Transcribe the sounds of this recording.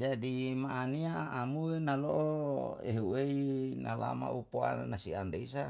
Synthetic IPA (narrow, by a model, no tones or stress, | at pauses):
d͡ʒadimaʔːniaːmuenaloʔoḛɦueinala̰ma̰upoa̰nasiandeisa